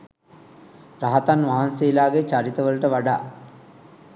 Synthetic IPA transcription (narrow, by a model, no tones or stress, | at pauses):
ɾaɦɐt̪anʋaɦanseːlaːɡet͡ʃaɾit̪əʋəlʈəʋaɖa̰ː